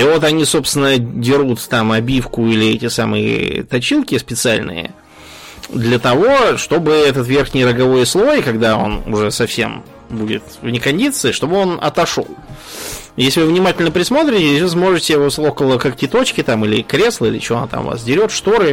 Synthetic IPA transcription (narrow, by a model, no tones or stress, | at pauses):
ivo̞t̪ɐnʲiso̞pst̪ʲɪnədʲɪɾut̪ːamɐbʲifkʊilʲɪɛtʲɪsamɨ̰ɪ̰t̪ɐt͡ɕilˠkʲɪspʲɪt̪sɨalʲnɨ̰jə̰ | d̪lʲət̪ɐvo̞ʂt̪o̞bɨɛt̪ət̪vʲe̞rxnʲɪjɾəɡɐvo̞jɪslˠo̞jɪkɐɡd̪ao̞̰nʊ̰ʐɛsɐfsʲe̞̰m | budʲɪ̰t̪vnʲɪkɐnʲdʲit̪sɨɪʂt̪o̞bɨo̞nɐ̰t̪ɐʂo̞̰lˠ | jesʲlʲɪvɨvnʲɪmatʲɪlʲnəpɾʲɪsmo̞t̪ɾʲɪtʲɪvɨsmo̞ʐɨtʲɪosokəlˠəkak̚tʲɪt̪o̞t͡ɕkʲɪt̪amilʲɪkɾʲe̞slˠəilʲɪ̰t͡ɕɪoɐnat̪a̰mva̰sdʲɪɾʲo̞t̪ʂt̪oɾɨ